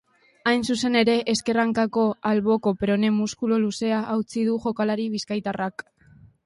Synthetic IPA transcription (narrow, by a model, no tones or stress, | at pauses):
ajnsuse̞ne̞ɾe̞ʔeske̞raŋkako̞alβo̞ko̞pɾo̞ne̞muskuloluse̞aʔːwt͡sið̞uʝo̞kalaɾiβ̞iskajt̪arak